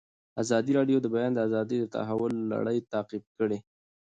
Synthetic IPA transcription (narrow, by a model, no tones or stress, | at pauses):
azɑd̪iɾɑɖjod̪əbajɑnd̪əazɑd̪əjd̪ət̪a̰ɦawʊlːa̰ɽəjt̪ɑqɪb̚kəɽe